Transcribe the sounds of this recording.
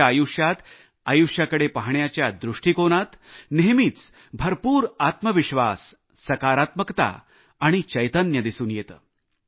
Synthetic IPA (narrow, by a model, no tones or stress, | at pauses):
ajuʂjat̪ | ajuʂjakəɽepaɦɳjat͡ɕjad̪ɾuʂʈiːkoɽ̃at̪neɦmiːt͡s | bʱəɾpuːɾat̪məʋiɕʋa̰sː | əkaɾat̪məkt̪a̰ː | ɽ̃it͡ɕəjt̪ənjəd̪isuːnjet̪ə̰ː